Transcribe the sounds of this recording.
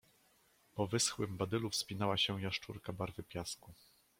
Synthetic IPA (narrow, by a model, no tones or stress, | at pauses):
pɔvɘsxwɘmbad̪ɘlufspʲinawaɕɛw̃jaʂt͡ʂuɾkabaɾvɘpʲjasku